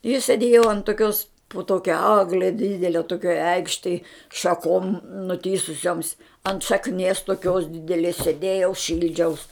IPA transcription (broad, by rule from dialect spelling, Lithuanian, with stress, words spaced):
ɪ sʲeːˈdʲeːjoː ɐnt toːˈkʲoːs poː ˈtoːkʲɛ ˈɑːɡlʲɛ ˈdʲiːdʲɛlʲɛ toːˈkʲoːj ˈɛɪkʃʲtʲɛj ʃɐˈkoːm nʊˈtʲiːsʊsʲoːms ɐnt ʃɐkˈnʲiɛs toːˈkʲoːs dʲɪdʲɛˈlʲeːs sʲeːˈdʲeːjɛʊ ˈʃʲɪlʲd͡ʒʲɛʊs